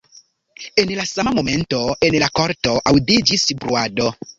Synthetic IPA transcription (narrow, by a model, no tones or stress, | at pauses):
enlasamamo̞me̞nto̞enlakoɾtoʔawdid͡ʒisbɾuado